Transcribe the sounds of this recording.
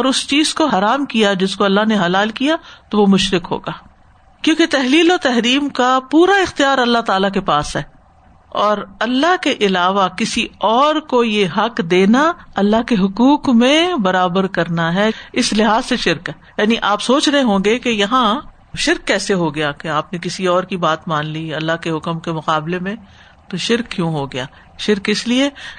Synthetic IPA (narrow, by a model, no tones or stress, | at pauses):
ɔːɾʊst͡ʃiːz̥koɦɐɾaːmkijad͡ʒɪskoɐlːaɦneɦɐlaːlkijat̪oʋomʊʃɾɪkɦo̰ːɡaː | kjõːket̪ɛɦliːlɔːɾt̪ɛɦɾiːmkapuːɾaɪxt̪ijaːɾɐlːaɦt̪aːlak̬epaːsɦɛː | ɔːɾɐlːaɦkeʔɪlaːʋakɪsiɔːɾkojeɦɐkd̪eːnaɐlːaɦkeɦʊkuːqmẽbɐɾaːbəɾkɐɾnaɦɛɪslɪɦaːzseʃɪɾkɦɛːjaːniʔaːpsoːt͡ʃɾɐɦẽɦõːɡekejɐɦã | ʃɪɾkːɛːseɦoɡɐjakeaːpnekɪsiɔːɾkibaːt̪mãːnliɐlːaɦkeɦʊkəmkemʊqaːblemẽ | t̪oʃɪɾkkjũːɦoɡɐjaː | ʃɪɾkɪslie